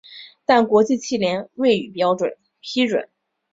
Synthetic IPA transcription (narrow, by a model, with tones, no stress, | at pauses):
t̪a˥˩nkwɔ˧˥t͡ɕi˥˧t͡ɕʰi˥˩ljɛ˧˥nwe˥˩ɪy˨˩pjɑ˥ʊʈ͡ʂwə̰˨˩˦n | pʰi˥ʈ͡ʂwə̰˨˩˦n